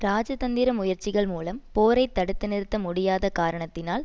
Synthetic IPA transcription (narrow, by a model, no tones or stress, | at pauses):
ɾaːd͡ʒɐt̪ɐnd̪ɪɾɐmʊjɐɾt͡ʃɪɣɐɭmuːlɐmpoːɾɐɪt̪ːɐɽɯt̪ːɯnɪɾɯt̪ːɐmʊɽɪjaːðɐkaːɾɐɳɐt̪ːɪnaːl